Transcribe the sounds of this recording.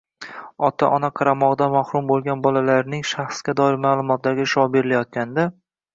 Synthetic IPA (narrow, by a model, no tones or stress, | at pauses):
ɒt̪ʰa̰ʔɒnaqʰɑɾamɒʁd̪amahɾʊmbolˠɡʲanbɒlalaɾnɪŋʃaχsɡʲad̪ɒɪɾmaːlˠʊmɒt̪laɾɡʲaʃɒbeɾɪlajɒt̪̚kʲand̪a